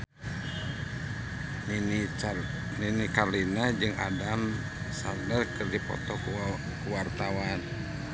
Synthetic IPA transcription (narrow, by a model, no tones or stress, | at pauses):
ninikalinad͡ʒɨŋa̰dam | sa̰rdərkɨrdipɔ̰t̪ɔk | kuwart̪awan